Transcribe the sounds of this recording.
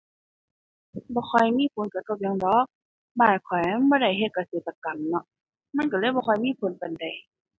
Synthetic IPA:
bɔː˧˦xʰɔ˧˩jmiː˧˥˨kʰo˨˧˦nka˧˩t̪ɔ˧˩p̚ɲa˧˦ŋdɔː˨˧˦k̚ | baː˧˩t̪̚kʰɔ˨˩ja˧˥˨bɔː˧ɾa˧˩jɦe˧˨t̪̚ka˧seː˨˩t̪ːa˧ka˨mnɔ˧ | ma˧˥˨nka˧˩lɤː˧˥˨jbɔː˧xʰɔ˧˨jmiː˧˥˨pʰo˧˦npa˨nda˨˩j

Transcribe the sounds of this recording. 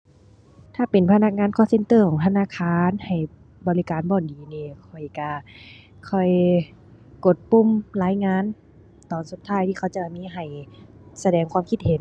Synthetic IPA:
t̪ʰaː˧˩pe˨npʰa˧na˧˥k̚ŋaː˧˥˨nkʰɔː˧˥˨se˧nt̪ɤː˧˩kʰɔː˨˦ŋt̪ʰa˧naː˧˥˨kʰaː˧˥nha˨˩j | bɔː˨li˦˧kaː˨˦nbɔː˧˩ndiː˨˦niː˧˩kʰɔ˨˩jka˧ | kʰɔ˧˩j | ko˨˧˩t̪̚pu˧˥˨mlaː˧˥jŋaː˧˥˨n | t̪ɔː˨˩nsu˧˦t̪ʰːaː˧˥˨jt̪ʰiː˧˩kʰa˧˩wt͡ɕa˧˩ba˧˩miː˧˥˨ɦa˨˩jsa˧dɛː˨˩ŋkʰwaː˧˥˨mkʰi˧t̪̚he˨˦n

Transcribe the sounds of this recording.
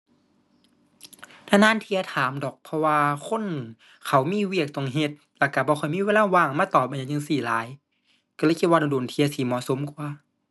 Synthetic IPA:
nʰaː˧˩naː˧˥˨nt̪ʰi˧ɐ˧t̪ʰaː˨˦mdɔː˨˩k̚pʰɔ˧waː˧kʰo˧˥˨nʔɯ˨˩ŋ | kʰa˨˦wmiː˧˥˨wi˧˩ək̚t̪o˧˩ŋɦe˧t̪̚lɛ˧˩ka˧˩bɔː˧˦kʰxʰɔ˧˩jmiː˧˥˨weː˧˥˨laː˧˥˨waː˧˩ŋmaː˧˥˨t̪ɔː˨˩p̚a˧˨a˧˨ɲɯ˧˨siː˨˩la̰ː˨˦j | ka˧lɤː˧˨kʰi˧t̪̚wa˧ɔ˧˩doː˨˩nt̪ʰi˧ɐ˧si˧˦mɔ̰˧˨so˨˦mku˧ɐ

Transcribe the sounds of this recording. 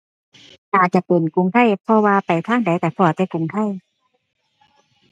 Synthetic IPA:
ʔaː˨˩t͡ɕa˧˨pe˨˩nku˧˨ŋt̪ʰa˧˥˩jpʰɔ˧waː˧pa˨˩jt̪ʰaː˥˩ŋda˨˦jt̪ɛː˧˩pʰɔː˧˩˨t̪ɛ˧˩ku˧˩˦ŋt̪ʰa˧˥˩j

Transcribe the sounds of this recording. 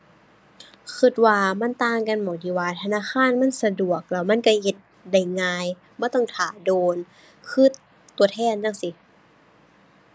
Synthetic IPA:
kʰɯ˧˩t̪̚waː˧ma˧˥˨nt̪aː˧ŋka˧˨nmɔː˨˩˦diː˧˩waː˧t̪ʰa˧naː˧˥˨xʰaː˧˥˨nma˧˥˨nsa˧du˨˩ək̚la˧˩wma˧˥˨nka˧˩he˧˦t̪̚ | da˧˩jŋaː˧j | maː˧˥˩t̪ɔ˧˥˩ŋt̪ʰaː˨˦doː˧n | kʰɯ˧˥˨t̪ː | u˧ɐt̪ʰɛː˧˥˩nda˧˥˨ŋsi˧˦

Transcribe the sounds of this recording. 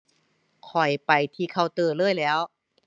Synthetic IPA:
kʰɔ˨˩jpa˨˩jt̪ʰiː˧kʰa˧˩wt̪ɤː˧˩lɤː˥˨jlɛː˦˥w

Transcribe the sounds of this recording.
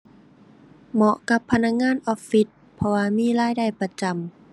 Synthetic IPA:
mɔ˧ʔka˧˦pʰːa˧na˧˥k̚ŋaː˧˥˨nʔɔː˧˥ffi˧˦t̪̚pʰɔ˧waː˧miː˥˨laː˧˥˩jda˧˩jpa˧t͡ɕa˧˩m

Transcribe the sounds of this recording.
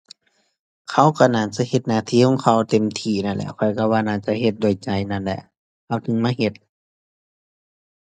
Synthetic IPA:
kʰa˧˥˩wka˧˩naː˧˩˨nsi˧˦he˧˩t̪̚naː˧˩t̪ʰiː˧˨kʰɔ˧˨ŋkʰa˧˩wt̪e˧˨mt̪ʰiː˧˩na˧˩nlɛ̰˧˩kʰɔ˧˩jka˧˩waː˧˨naː˧˩t͡ɕa˧˨he˧t̪̚do˧˩˨jt͡ɕa˧˩jna˧˥˨nlɛ̰˧˨ʔ | kʰa˧˩wt̪ʰɯ˧˦ŋmaː˧˥˨he˧˩t̪̚

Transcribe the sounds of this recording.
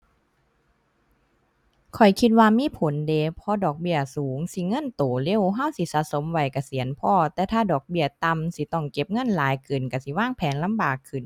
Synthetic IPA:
kʰɔ˨˩jkʰi˧t̪̚waː˧miː˧˥˨pʰo˨˦ndeː˨˦pʰɔ˧˥dɔː˨˩k̚bi˧˩ɐsuː˨˩˦ŋsi˧˦ŋɤ˧˥˨nt̪oː˨˩le˧˥˨wɦa˧˥˨wsi˧˦saː˧˩so˨˦mwa˧˩jka˧˩si˨˩˦ənpʰɔː˧˩t̪ɛː˧˩t̪ʰaː˧˩dɔː˨˩k̚bi˧˩ɐt̪a˧msi˧˦t̪ɔ˧˩ŋke˧p̚ŋɤ˧˥˨nlaː˨˦jkɯː˨˩nka˧˩si˧˦waː˧˥˨ŋpʰɛː˨˦nla˧˥˨mbaː˨˩kʰːɯ˨˩n

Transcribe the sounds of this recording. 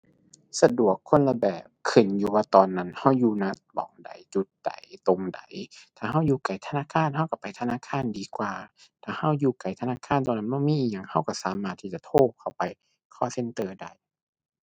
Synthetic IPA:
sa˧du˨˩əkʰːo˧˥˨nla˧bɛː˨˩p̚kʰːɯ˨˩njuː˧waː˧˩t̪ɔː˨nːa˧˥˨nha˧˩wjuː˧na˧˥t̪̚bɔ̰ː˨˦ŋda̰˨˦jt͡ɕu˧˦t̪̚d̥a̰˨˦jt̪o˧mda̰˨˦jt̪ʰaː˨˩ɦa˧˥˩wjuː˧˩ka˨˩jt̪ʰa˧naː˧˥˨kʰaː˧˥˨nha˧˥˨wka˧˩pa˨jt̪ʰa˧naː˧˥˨kʰaː˧˥˨ndiː˧kwaː˨˧t̪ʰaː˨˩ha˧˥˩wjuː˧˩ka˨˩jt̪ʰa˧naː˧˥˨kʰaː˧˥˨nt̪ɔː˧˨na˧˥nbɔː˧˥˨miː˧˥˨ɲa˧˩ŋha˧˥˩wka˧˥˩saː˨˦maː˧˩t̪ʰːiː˧˩t͡ɕa˧˨t̪ʰoː˧˩p̚kʰa˧˩wpa˧j | kʰɔː˧˥˨se˧˨nt̪ɤː˧da˧˩˨j

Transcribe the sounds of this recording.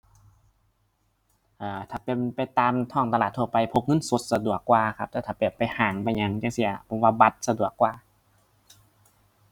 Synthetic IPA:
ʔaː˨˧˩t̪ʰaː˧˩pe˧˨npa˧jt̪aː˧mt̪ʰɔː˧˥˩ŋt̪a˧laː˨˩t̪ʰːu˧˨pa˧jpʰo˧p̚ŋɤ˧˥˨nso˧˦t̪̚sa˧du˨˩əkːwaː˧kʰa˧˥p̚t̪ɛː˧˩t̪ʰaː˧˩piː˨˩pːa˧˨jhaː˨˩ŋba˧jɲa˧ŋt͡ɕa˧˥˨si˧˥ɐ˨pʰɔ˧˩waː˧ba˧˦t̪̚sa˧du˨˩əkːwaː˧

